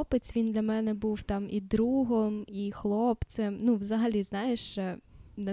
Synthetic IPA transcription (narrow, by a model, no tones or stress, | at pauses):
ɔpet͡sʲʋʲind̪lʲɐmɛnɛbuwt̪ɑmid̪ɾuɦɔmixlˠɔpt͡s̪ʲɛmnuʋzɐɦɐlʲiznɑjeʃɛnɛ